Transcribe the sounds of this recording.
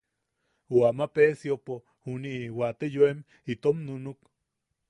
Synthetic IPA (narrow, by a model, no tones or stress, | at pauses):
wamapesiopo | huniʔwat̪ejoem | it̪omnunuk